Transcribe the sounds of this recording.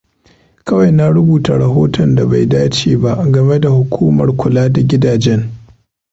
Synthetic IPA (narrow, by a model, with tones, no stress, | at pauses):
kɐ˦wa˨jna˦ɾʊ˦buː˨ta˨ɽɐ˨ɦoː˦tɔ˨nda˨ba˨jdaː˦t͡ʃeː˨ba˦ʔɡɐ˨me˦da˨hʊ˨kʷʰuː˦mɐ̰˨rkʷʊ˨laː˦da˨ɡʲɪ˦daː˨d͡ʒɛ˦ŋ